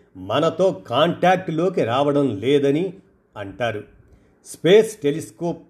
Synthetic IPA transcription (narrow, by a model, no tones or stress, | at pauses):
mɐnɐt̪o̞ːkaːɳʈaːk̚ʈlo̞ːk̬iɾaːʋɐɽɐmlɛːd̪ɐni | ɐɳʈaːɾu | speːsʈeliskoːp̚